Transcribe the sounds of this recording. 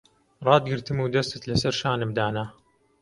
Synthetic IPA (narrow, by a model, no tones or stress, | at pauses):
ɾˤɑːd̪ɡɪɾt̪ɪmuwd̪asat̪lasɪɾʃaːnɪbd̪aːnaː